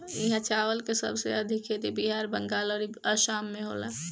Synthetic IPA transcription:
iɦãt͡ʃaːʋəlkesə̰bʱsḛɐd̪ʱɪkɦet̪ibiɦaːɾbəŋɡaːlɔːɾəʃaːmːẽɦo̰la

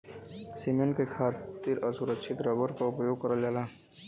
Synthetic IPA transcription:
simẽɳʈkekʰaːt̪iɾɔsʊɾəkʃʰɪt̪ɾɐbəɾkaʊpjoːɡ̚kɐɾəld͡ʒaːlaː

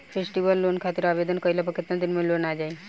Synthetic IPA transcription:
fesʈiʋəlːonkʰat̪iɾaʋed̪ənkəjlapəkʰit̪ant̪inmelonad͡ʒai

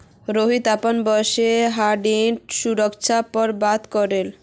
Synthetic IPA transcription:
ɾoɦit̪apanbɔʃeɦaɖiʈʃuɾokʃʰapɔɾbad̪kɔɾel

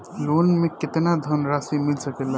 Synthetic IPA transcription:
lonmeket̪nad̪ʱənɾasimilsəkɛlə

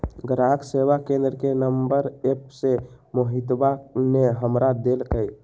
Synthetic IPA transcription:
ɡəɾaksewakẽnd̪ɾkenəmbəɾepse | moɦit̪baneɦəmɾad̪elkəj

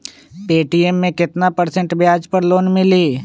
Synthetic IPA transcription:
peːʈiːemːẽkɪt̪napəɾsə̃ɳʈbjaːd͡ʒpəɾloːnmɪliː

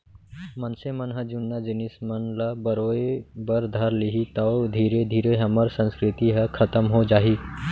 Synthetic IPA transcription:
mənsemənɦəd͡ʒunːad͡ʒinismənlabəɾoebəɾd̪ʱəɾliɦit̪əwd̪ʱiːɾed̪ʱiːɾeɦəməɾsə̃nskɾɪt̪iɦəkʰət̪əmɦod͡ʒaːɦi

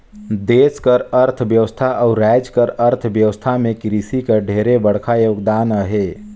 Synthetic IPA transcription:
d̪eːskəɾəɾt̪ʰʋjəʋəst̪ʰaʔɔːɾɛːd͡ʒkəɾəɾt̪ʰʋjəʋəst̪ʰamẽkɾisikəɖʱeːɾebəɽ̤kʰajoːɡd̪aːnəɦeː

